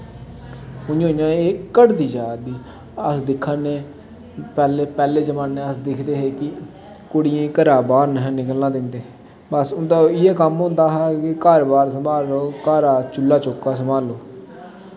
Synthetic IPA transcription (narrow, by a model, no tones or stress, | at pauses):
ʊõːjãːeːkəɽd̪iːd͡ʒaːd̪iː | əsd̪ɪkʰːaneː | pɛːleːpɛːleːd͡ʒəmãːnːẽːəsd̪ɪkʰd̪eːɦeːkɪ | koːɽɪẽːkəɾaːbaːɾnəɦnɪkəlnãːd̪ɪnd̪eː | bəsʊnd̪aːɪeːkəmɦʊ̃ːnd̪aːɦɛːkɪkaːɾbaːɾsəmaːloːkaːɾaːt͡ʃʊlːaːt͡ʃoːkaːsəmaːloː